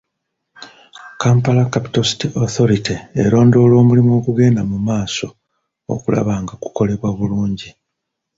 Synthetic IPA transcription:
kaːmpalakapi̥tosi̥tioθo̞ɾitieɾo̞ːndo̞ːlo̞ːmulimuo̞kuɡe̞ːndamumaːso̞ | o̰kula̰βaːŋɡaku̥ko̞le̞βwaβuluːɲɟi

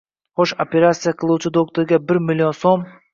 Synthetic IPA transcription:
χoʃopʲe̞ɾat̪sɨjaqʰɨlˠuwt͡ʃʰɪd̪okt̪oɾɡʲabɪɾmɪlʲːionsom

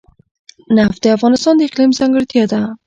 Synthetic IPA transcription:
naft̪eafɣɑnɪst̪ɔnd̪aɪqlimzaŋɡɪɾt̪ʰijad̪a

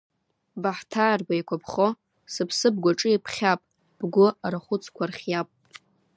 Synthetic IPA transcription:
baħtʰaːrɡʷajkʷʰapʰχo | sɨpʰsɨb̚ɡʷaʈ͡ʂʼɨipʰχʲapʼ | b̥ɡʷʊaɾaχʷʊt͡sʰʼkʷʰarχʲjapʼ

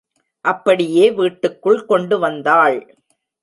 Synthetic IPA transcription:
ʔɐpːɐɽɪjeːʋiːʈːɯkːɯɭkɔɳɖɯʋɐnd̪aːɭ

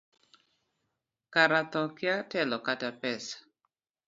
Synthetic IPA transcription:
kaɾat̪ɔkjatɛlɔkatapɛsḁ

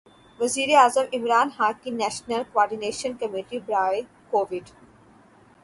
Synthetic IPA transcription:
ʋɐziːɾiaːzə̃mʔɪmɾaːnhaːkĩnɛːʃnəlkoɔːɾɖineːʃə̃nkɐmiːʈibɾaːe | koːʋɪɖ

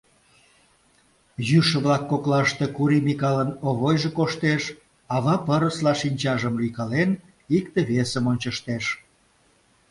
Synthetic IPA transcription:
jyʃə̆βlɑkːoklɑʃt̪ekuɾimikɑlənoβojʒekoʃt̪eʃ | ɑβɑpəɾəslɑʃinʲt͡ɕɑʒəmlykɑlen | ikt̪eβesəmonʲt͡ɕəʃt̪eʃ

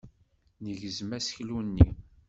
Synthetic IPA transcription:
nəʝəzmæsçlunːi

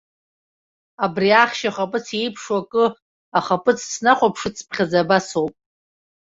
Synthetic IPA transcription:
abriaχʲʃaχapʼɨt͡sʰe̞jpʰʂwakʼɨ | aχapʼɨt͡sʰsnaχʷapʰʂɨt͡sʰpχʲazabasowpʼ

